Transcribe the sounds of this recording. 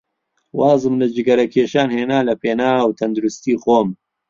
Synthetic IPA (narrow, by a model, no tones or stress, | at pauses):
wɑːzɨmlɐd͡ʒɪɡɐɾɐkʰeːʃaːnheːnaːlɐpʰeːnaːwt̪ʰɐnd̪uɾust̪iːxoːm